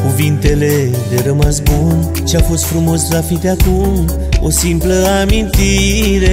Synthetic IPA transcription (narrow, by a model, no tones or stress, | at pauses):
kuvint̪e̞le̞d̪e̞ɾəmasbun | t͡ʃeafo̞st̪fɾumo̞slafit̪eakum | o̞̰simpləamint̪iɾe̞